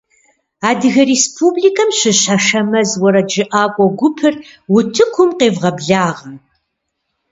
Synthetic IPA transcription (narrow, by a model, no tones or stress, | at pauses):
aːdɨɣɐɾespʰublikʰɐmɕɪɕaʂɐmɐzwɐɾɐd͡ʒɪʔaːkʷʼɔɡʷʊpʰɨr | wʊtʰɨkʷʰʊmqeːvʁɐbɮaːʁɐm